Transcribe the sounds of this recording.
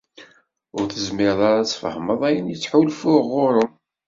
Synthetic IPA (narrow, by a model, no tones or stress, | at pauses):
ʊɾθəzmɪɾðˤaɾat͡sːfə̰hməðˤæjənjət͡sːħulfʊʁːʊɾˤʊm